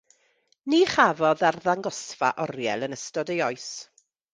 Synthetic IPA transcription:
niːχavɔðarðaŋɡɔsfa̰ʔɔrjɛ̰lˠənəstɔdejɔɨs

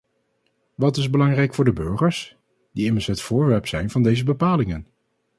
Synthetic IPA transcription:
ʋɑtɪzbəlɑŋrɛjkfʊːɹdəbøɹχəɹs | d̥iɪməɹsɦətfʊːɹʋɛɹpsɛjnvɑndejzəbəpaːlɪŋən

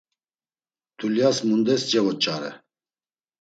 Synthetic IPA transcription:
t̪ʰuljasmund̪ɛsd͡ʒɛvɔt͡ʃʼaɾɛ̰

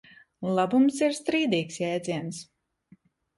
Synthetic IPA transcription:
lˠabumsiɾst̪ɾiːd̪iːksjɛːt̪d̪ziɛns

